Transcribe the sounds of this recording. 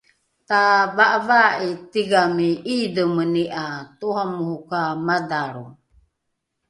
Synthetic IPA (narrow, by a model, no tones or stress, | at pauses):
t̪avaʔavaʔit̪iɡamiʔidəməniʔat̪uɦamuhukamadaɾu